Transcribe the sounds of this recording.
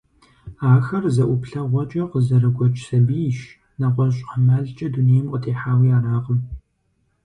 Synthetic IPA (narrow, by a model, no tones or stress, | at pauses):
aːxɐrzɐʔʷʊpɬɐʁʷɔt͡ʃʼɐqəzɐɾɨɡʷɔt͡ʃʼʰsɐbiʃ | nɐʁʷɔɕʼqəmaːɮt͡ʃʼɐdunijɛmʔʷʼɔtʰeːħaːwiːaːɾaːʁəm